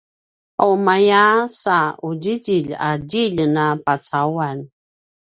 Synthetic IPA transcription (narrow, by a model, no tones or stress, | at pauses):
awmajasaud͡ʑid͡ʒiʎa̰diʎnapat͡sawan